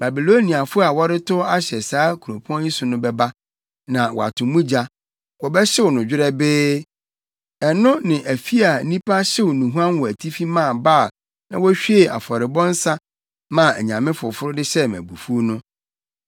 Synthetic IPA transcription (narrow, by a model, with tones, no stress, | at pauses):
ba˨bi˨lo˦nĩ˨a˨fʊ˦a˨wɔ˦ɾɪ˦tʰʊ˦a˦ɕɛ˨saː˦kʰu˨ɾõ˨pʰu˦ɔ̃˦ĩ˦sʊ˨nʊ̃˦bɛ˦ba˦ | nã˨wɔ̰˨a̰˨tʰʊ̃˨mũ˦d͡ʑa˦ | wɔ˨bɛ˦ɕɪ˦wʊ˨nʊ̃˨d͡ʑᶣɪ˦ɾɛ˦bɪː˦ | ɛ˨nʊ̃˦nɪ̃˨ʔæ˨fi˦a˨˦nĩ˦pʰa˦ɕɪ˦wʊ˨nũ˨ɦu˦ã˦nwɔ˨æ˨tʰi˦fi˦mã˦˨ba˦˨ | nã˨wɔ˦ɕᶣi˦e˨a̰˨fɔ˨ɾɪ˨bɔ̃˦n̩˦sã˦ | mã˦˨æ˨ɲã˨mɪ̃˦fʊ˨fʊ˦ɾʊ˦dɪ˦ɕɛ˦mæ̰̃˨bu˨fu˦nʊ̃˦